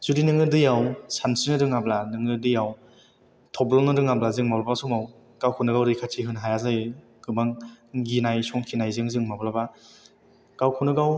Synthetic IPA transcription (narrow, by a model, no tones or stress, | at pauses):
z̥udinɯŋɯdɯjawsansɯnɯdɯŋablanɯŋɯdɯjaw | tʰɔblɔnɯdɯŋablazɯŋmawlabaasɔŋaw | kawkʰɔnɯɡawɾikʰatʰiɦɯnɦajazaj | ɡɯmaŋɡinajsɔŋkʰinajzɯŋzɯŋmablaba | kawkʰunɯɡaw